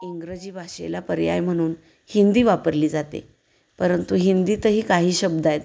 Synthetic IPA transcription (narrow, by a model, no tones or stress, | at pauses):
iŋɡɾəd͡ʑiːbʱaɕḛlapəɾja̰jm̤əɽ̃uːn | hind̪iːʋapəɾliːd͡zat̪ḛ | pəɾənt̪uɦind̪iːt̪əɦiːkaɦiːɕəb̚d̪ajt̪